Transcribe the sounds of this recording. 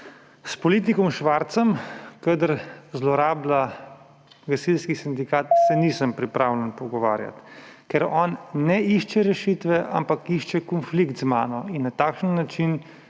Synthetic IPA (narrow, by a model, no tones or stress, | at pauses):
spɔliːt̪̬ikɔmʃʋaɾt̪səmkəd̪əɾzlɔɾaːbla | ɡasilskisind̪ikaːt̪sɛnisəmpɾipɾaːwlɛnpɔɡɔʋa̰ːɾja̰t̪kɛɾɔːnːɛiʃt͡ʃɛɾɛʃit̪ʋɛʔa̰mpakiʃt͡ʃɛkɔnflikt̪zmaːnɔinːat̪aːkʃənːat͡ʃin